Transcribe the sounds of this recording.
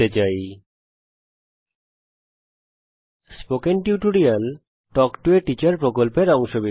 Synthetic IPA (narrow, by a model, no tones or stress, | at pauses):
et͡ɕaj | spokenʈjuʈoɾial | ʈɔkʈueʈit͡ɕaɾpɾokolpeɾɔŋʃobi